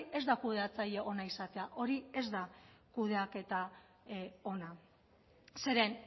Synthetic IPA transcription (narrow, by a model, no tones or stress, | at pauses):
ʔe̞zd̪akuðe̞at͡saʎe̞ʔo̞naisat̪e̞aʔo̞ɾie̞zd̪akuð̞e̞ake̞t̪a | o̞na | se̞ɾe̞n